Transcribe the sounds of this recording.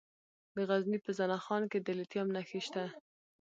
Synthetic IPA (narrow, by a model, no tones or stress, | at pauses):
d̪əɣaznipəzanaxɑnked̪əlɪt̪jɑmnaxiʃt̪a